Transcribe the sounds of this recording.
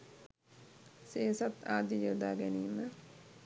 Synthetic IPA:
seːsat̪aːd̪ijəd̪aːɡæniːmə

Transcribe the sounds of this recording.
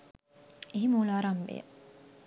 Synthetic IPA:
eɦimuːlaːɾamʋḛ

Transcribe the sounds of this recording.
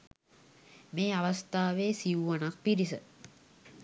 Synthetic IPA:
meːaʋast̪aːʋeːsiʋuʋanak̚piɾisə

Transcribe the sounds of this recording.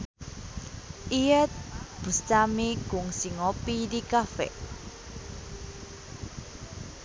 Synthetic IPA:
iɛt̪̚b̥ṳst̪amikʊŋsiŋopidikafɛ̰

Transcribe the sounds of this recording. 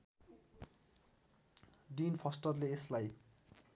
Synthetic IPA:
ɖinpʰʌsʈʌrleeslaj

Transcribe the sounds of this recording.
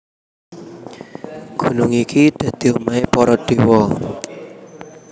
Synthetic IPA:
ɡ̥ṳnʊŋikid̪̥ä̤d̪̥i̤omaepɔɾɔɖ̥e̤wɔ

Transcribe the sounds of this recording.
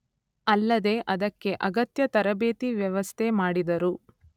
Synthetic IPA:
ɐlːɐd̪e̞ʔɐd̪ɐkːe̞ʔɐɡɐt̪jɐt̪ɐɾɐbeːt̪iʋjɐʋɐst̪ʰemaːɽid̪ɐɾu

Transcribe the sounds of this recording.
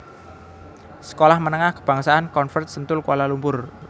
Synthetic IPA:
sə̥kolahmənəŋahkə̥b̥a̤ŋsaankɔnfərt̪̚sənt̪ʊlkwalalumpʊr

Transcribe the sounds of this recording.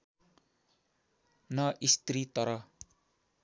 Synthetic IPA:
nʌʔist̪rit̪ʌɾʌ

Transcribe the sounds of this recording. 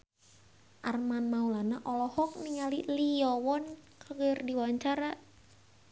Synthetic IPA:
ʔarmanmaulanaʔɔlɔhɔk̚niŋalilijɔwɔnkəɡərdiwaɲt͡ʃaɾa

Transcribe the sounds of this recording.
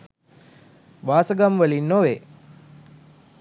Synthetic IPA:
ʋaːsəɡamʋəlinːoʋe

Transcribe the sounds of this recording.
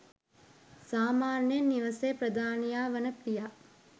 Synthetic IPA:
saːmaːnjenːiʋɐsejpɾəd̪aːnijaːʋɐnəpːija

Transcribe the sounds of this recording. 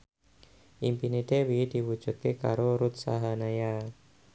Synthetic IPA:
ʔimpinid̪ewid̪̥i̤wu̥d͡ʒ̥ṳt̪̚kekaɾoɾut̪saɦanaja

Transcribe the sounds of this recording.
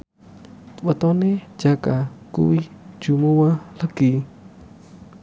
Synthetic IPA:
wət̪ɔne̥d͡ʒakakṵwi̥ | d͡ʒ̥umuwaləɡ̥i

